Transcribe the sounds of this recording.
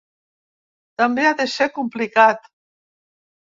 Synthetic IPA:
t̪ambeaðesekumplikat̪

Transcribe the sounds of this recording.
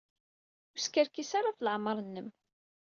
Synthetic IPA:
ʊskəɾkisaɾafləʕməɾˤənːəm

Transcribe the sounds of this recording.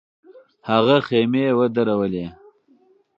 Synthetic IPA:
haɣaxemewəd̪aɾawəle

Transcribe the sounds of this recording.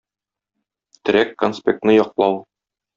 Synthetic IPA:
t̪ɘ̆ɾækːonspʲḛk̚t̪nɤjɒqlˠɑw

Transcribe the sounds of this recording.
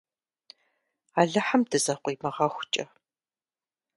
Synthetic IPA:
aːɮɐħamdɨzɐqʷiːmɐʁɐxʷʊt͡ʃʼɐ

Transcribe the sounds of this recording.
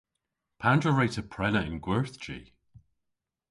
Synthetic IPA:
pʰandɹəɹetʰəpʰɹ̥ɛləɪ̰̃nɡwɛɹθd͡ʒḭ

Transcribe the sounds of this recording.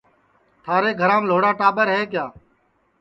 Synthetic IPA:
t̪ʰaːɾeːɡʱəɾãːmloːɽaːʈaːɓəɾɦeːk̬jaː

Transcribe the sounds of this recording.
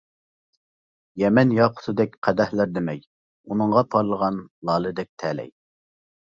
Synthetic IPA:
jɛmɛnjɑqʰʊ̥sɨd̪ɛk̚ʲqʰæd̪ɛhlæɾd̪ɪmɛj | unɨŋʁɑpʰɑɾlˠəʁɑnlˠɑːlˠɨd̪ɛk̚ʲt̪ʰɛlɛ̰j

